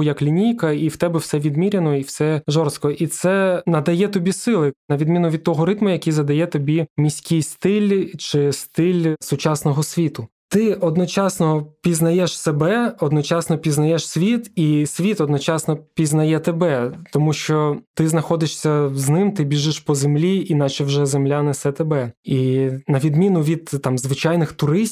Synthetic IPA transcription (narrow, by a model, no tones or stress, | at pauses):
ʊjɐklʲinʲijkɐiwt̪ɛbɛwsɛʋʲid̪mʲiɾʲenɔiwsɛʒɔrst̪̚kɔʔit̪sɛnɐd̪ɐjɛt̪ɔbʲisɪlˠɪnɐʋʲid̪mʲinʊʋʲid̪̚t̪ɔɦɔɾɪt̪mʊjɐkʲijzɐd̪ɐjɛt̪ɔbʲimʲisʲkʲijst̪ɪlʲt͡ʃɪst̪ɪlʲsʊt͡ʃɑsnɔɦɔsʲʋʲit̪ʊ | t̪ɪɔd̪nɔt͡ʃɑsnɔpʲiznɐjɛʃsebɛɔd̪nɔt͡ʃɑsnɔpʲiznɐjɛʃsʲʋʲit̪isʲʋʲit̪ɔd̪nɔt͡ʃɑsnɔpʲiznɐjɛt̪ebɛt̪ɔmuʃt͡ʃɔt̪ɪznɐxɔd̪ɪʃsʲɐznɪmt̪ɪbʲiʒɪʃpɔzemlʲiinɑt͡ʃɛwʒɛzemlʲanɐsɛt̪ebɛinɐʋʲid̪mʲinʊʋʲid̪t̪ɑmzʋɪt͡ʃɑjnɪxt̪ʊɾɪsʲ